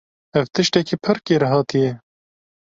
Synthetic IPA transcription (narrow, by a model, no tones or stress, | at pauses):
ɛvt̪ɨʃt̪ɛkiːpʰɨɾkeːɾɛɦɑːt̪ijɛ